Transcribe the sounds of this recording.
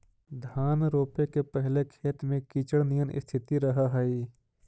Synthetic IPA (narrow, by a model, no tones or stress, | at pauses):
d̪ʱaːnɾoːpekepɛɦlekʰeːt̪mẽkit͡ʃəɽnijənɪ̰st̪ʰɪt̪iɾɐɦaɦai